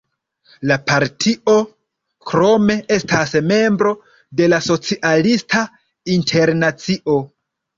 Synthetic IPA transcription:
lapaɾtʰiʔo̞ | kɾo̞me̞e̞stasme̞mbɾo̞ | de̞laso̞t͡siʔalistʰa | intʰe̞ɾnat͡siʔo̞

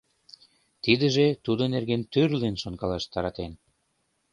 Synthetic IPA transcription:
t̪id̪əʒet̪ud̪onerɣent̪ørliənʃonkɑlɑʃt̪ɑɾɑt̪en

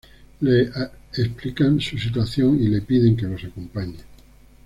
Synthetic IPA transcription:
leesplikansus̬it̪waθjoŋile̞piðe̞ŋke̞lo̞sakompaɲe

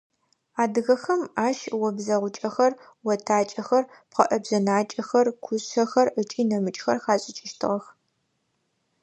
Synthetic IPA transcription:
aːdɨɣɐxɐmaːʃwɔbzɐʁʷʊt͡ʃʼɐxɐr | wɔtʰaːt͡ʃʼɐxɐr | pqɐʔɐbzɐnaːt͡ʃʼɐxɐrkʷʰʊɕɐxɐrət͡ʃʼiːnɐmɨt͡ʃʼxɐ̰rxaːɕʼɪt͡ʃʼɪʃtʰɨ̰ʁɐx

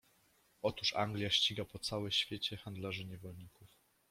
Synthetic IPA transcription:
ɔt̪uʂa̰ŋɡlʲjaɕt͡ɕiɡapɔt̪sawɛɕfʲjet͡ɕɛxand̪laʐɘɲɛvɔlɲikuf

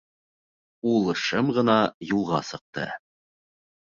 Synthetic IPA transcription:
ulˠɤ̆ʃɤmʁɤ̆nɑjulˠʁɑ̰sɤ̆q̚t̪ɤ̰

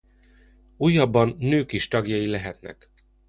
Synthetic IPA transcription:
uːjːɒbːɒnːøːkiʃt̪ɒɡjɒjilɛɦɛt̪nɛ̰k

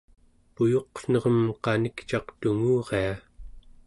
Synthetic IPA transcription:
pujo̞qn̥ʌʁəmqɑnikt͡ʃɑqt̪uŋuːʁea

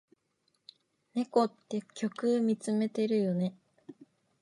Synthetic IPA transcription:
ne̞ko̞t̪ːe̞kʲʰo̞kɯ̟mʲit͡sɨme̞t̪e̞ɾɯ̟jo̞ne̞

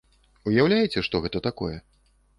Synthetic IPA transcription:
ujawlʲajɛt͡sʲɛʂt̪ɔɣɛt̪ɐt̪akɔ̰jɛ

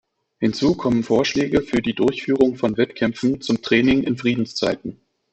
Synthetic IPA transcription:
hɪnt͡suːkʰɔmənfoːɐʃlɛːɡəfyːɐdiːdʊɐçfyːʁ̞ʊŋfɔnvɛtkʰɛmfn̩t͡sʊmtʁ̥ɛːnɪŋʔɪnfʁ̥iːdn̩st͡sa̰ɪtn̩

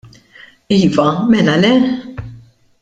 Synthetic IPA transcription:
iːvɐmɛlɐlɛ

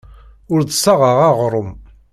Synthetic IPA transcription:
ʊɾd̪sɑʁaʁaʁɾˤəm

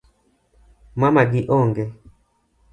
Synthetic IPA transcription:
mamaɡiʔɔŋɡɛ

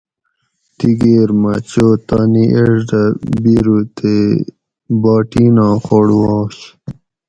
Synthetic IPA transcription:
t̪iɡeːɾmɐt͡ɕoːt̪aːniʔeʐɖɐbiɾut̪e | bɑːʈiːnɑ̃ːxoɽwɑːɕ

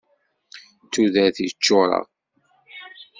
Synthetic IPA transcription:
t̪ːuðæθit͡ʃːoɾˤɑ̰

